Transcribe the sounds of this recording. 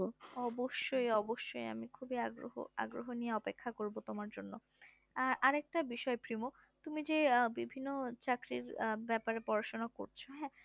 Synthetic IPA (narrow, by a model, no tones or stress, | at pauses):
ɔboʃːojɔboʃːoja̰mikʰubiaɡɾo̰ɦo̰a̰ɡɾoɦonijeɔpekʰːakoɾbot̪omaɾd͡ʑonːo | aɾaɾɛk̚ʈabiʃɔepɾimo | t̪umid͡ʑebibʱinːot͡ɕakɾiɾbɛpaɾepɔɾaʃonako̰ɾt͡ɕʰoɦɛ̃ː